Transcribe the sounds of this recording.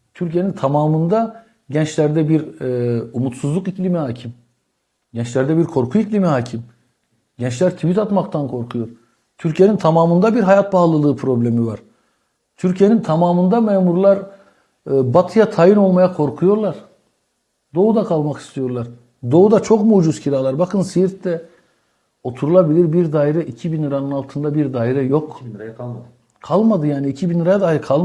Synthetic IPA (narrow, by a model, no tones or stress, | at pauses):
t̪ʰyɾcʰije̞nint̪ʰamaːmɯnd̪a | ɟɛnt͡ʃlʲæɾd̪ɛbiɾ | umut̪suzlˠukiclʲimiɦhaːcʰim | ɟɛnt͡ʃlʲæɾd̪ɛbiɾkʰo̞ɾkʰuiclʲimihaːcʰim | ɟɛnt͡ʃlʲæɾt̪ʰivit̪at̪makt̪ʰankʰo̞ɾkʰujo̞ɾ | t̪ʰyɾcʰije̞nint̪ʰamaːmɯnd̪abiɾɦajat̪̚balˠɯlˠɯːpʰɾo̞blʲemivaɾ̥ | t̪ʰyɾcʰije̞nint̪ʰamaːmɯnd̪amɛːmuɾlˠaɾ | bat̪ʰɯjat̪ʰajɯno̞lˠmajakʰo̞ɾkʰujo̞ɾlˠaɾ̥ | d̪o̞ud̪akʰalˠmaki̥st̪ʰijo̞ɾlˠaɾ | d̪o̞ud̪at͡ʃʰo̞kmud͡ʒuzcʰiɾaːlˠaɾbakʰɯnsijiɾt̪d̪ɛ | o̞t̪ʰuɾulˠabilʲiɾbiɾd̪aːiɾɛʔicʰibinɯɾanɯnalˠt̪ʰɯnd̪abiɾd̪aːiɾɛjo̞k | kʰalˠmad̪ɯjaːniːcʰibinɯɾajad̪aːiɾkʰalˠ